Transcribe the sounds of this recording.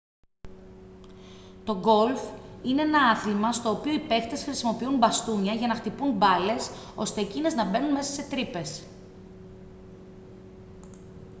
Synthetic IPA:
t̪o̞ɡo̞lfine̞enɐɐθlimɐst̪o̞ːpio̞ipe̞xt̪e̞sxɾisimo̞piunbɐst̪uɲɐʝɐnɐxt̪ipunbɐle̞so̞st̪e̞ːcine̞znɐbe̞nunme̞sɐse̞t̪ɾipe̞s

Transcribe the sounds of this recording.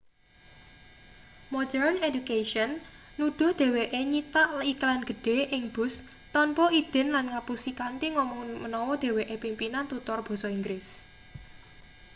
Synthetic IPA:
mɔdɛrnedukeʃɔnːud̪̥ɔ̤hd̪̥e̤weʔeɲit̪aʔliklanɡ̥ə̤ɖ̪̥e̤ʔɪŋb̥ʊ̤s | t̪ɔnpɔʔid̪̥ɛ̤nlanŋapusikant̪iŋɔmɔŋmənɔwɔd̪̥e̤weʔepimpinant̪ut̪ɔrb̥ɔ̤sɔiŋɡɾɪs

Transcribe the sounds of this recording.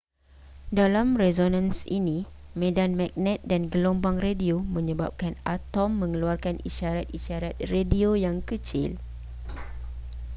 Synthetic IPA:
dalamrɛzonãnsḭnĩmẽdanmãk̚nɛ̃t̪̚danɡəlombaŋrediomə̃ɲə̃ba̰p̚kanat̪ɔmːə̃ŋəluarkaniʃaɾat̪̚iʃaɾat̪̚rediojaŋkət͡ʃɪ̰l

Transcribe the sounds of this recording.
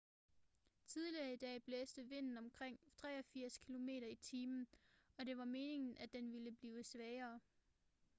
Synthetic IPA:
t͡sʰið̞ˠliɐid̥ɛ̰ːb̥leːsd̥əʋe̝n̰n̩ɒ̽mkʰʁeŋ̰t͡sʰʁɛ̰ːɒ̽fiɐ̰skʰilo̝me̝̰ːɾɐit͡sʰiːmn̩ɒ̽ɾ̥e̝ʋɑ̈me̝ːne̝ŋn̩ʔæd̥enʋiləb̥liːʊsʋɛːɐː

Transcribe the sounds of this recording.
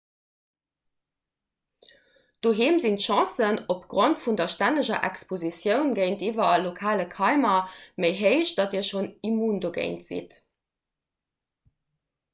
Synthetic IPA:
d̥oːɦiːmzintʃɑ̃sənopɡ̥ʁontfundɐʃtænəʑɐʔæ̰kspozisjəʊnɡəɪntiːvɐɑlokʰaːləkʰɑɪmɐmeɪɦəɪʃd̥ɑtiːɐʃonimuːndoːɡɜ̰ɪntz̥ḭt

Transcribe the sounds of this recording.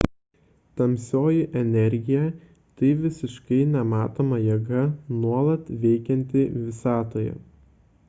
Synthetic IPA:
t̪ɐmʲsʲoːjɪʔɛnʲɛɾʲɡʲɪjɛ | t̪ɐɪʋʲɪsʲɪʃkɐɪnʲɛmɑːt̪oːmɐjɛɡɐnuɔlˠɐt̪ʋʲɛɪkʲɛnʲt̪ʲɪʋʲɪsɑːt̪oːjɛ̰

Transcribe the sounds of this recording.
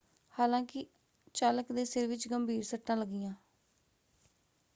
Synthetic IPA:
haːlãːkɪ | t͡ʃaːləkd̪eːsɪɾʋɪt͡ʃɡəmbʱiːɾsəʈːãːləɡːɪjãː

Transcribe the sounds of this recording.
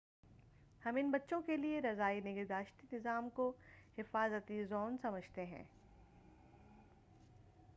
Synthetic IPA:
hɐmɪnbɐtːʃõkelieɾɐzaːinɪɡɪɾd̪aːʃt̪inɪzaːmkohɪfaːzət̪izɔːnsɐməd͡ʒʱt̪eɦɛ̰̃ː

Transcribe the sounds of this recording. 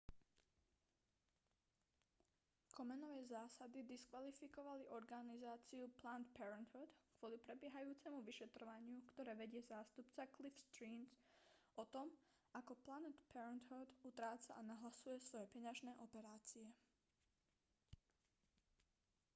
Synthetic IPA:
kʰɔmɛnɔʋɛːzaːsad̪id̪iskʋalifikɔʋaliʔɔɾɡanizaːt͡siuplant̪pɛɾɛnd̪ɦɔd̪kʋʊɔlipɾɛbɪɛɦajuːt͡sɛmuʋiʃɛt̪ɾɔʋaɲɪukt̪ɔɾɛːʋɛɟɪɛzaːst̪upt͡saklifst̪ɾiːnt͡s | ʔɔt̪ɔm | akɔplanɛt̪pɛɾɛnd̪ɦɔd̪ut̪ɾaːt͡saʔanaɦlasujɛsʋɔjɛpɛɲaʒnɛːʔɔpɛɾaːt͡siɛ

